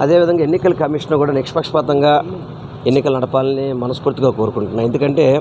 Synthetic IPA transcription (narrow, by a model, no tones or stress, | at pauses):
ɐd̪e̞ːʋid̪ʱɐŋɡaːenːikɐlɐkɐmiʂɐnkuːɽaːnekʂɐpɐkʂɐpaːt̪ɐŋɡaː | e̞nːikɐlɐnɐɽɐpaːlɐnimɐnɐspuːɾt̪iɡaːkoːɾukuɳʈunːaːje̞nd̪ukɐɳʈe̞ː